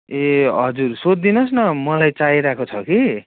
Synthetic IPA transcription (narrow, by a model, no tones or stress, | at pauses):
eɦʌ̰d͡zursod̪d̪inʌs̬nʌmʌlajt͡saiɾakot͡sʰʌki